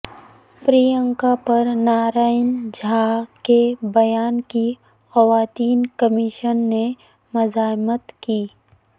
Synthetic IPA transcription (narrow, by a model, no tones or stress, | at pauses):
pɾijə̃ŋkapɐɾnaːɾaːɪnd͡ʒʱaːkebɐjaːnki | xɐʋaːt̪iːnkɐmɪʃənːe | mʊzaːɪmət̪kiː